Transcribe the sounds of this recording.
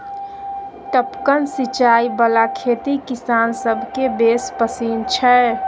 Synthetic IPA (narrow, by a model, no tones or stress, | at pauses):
ʈəpkənsɪt͡ʃaːibəlakʰeːt̪ikɪsaːnsəbʱkebespəsiːnt͡ʃʰɛ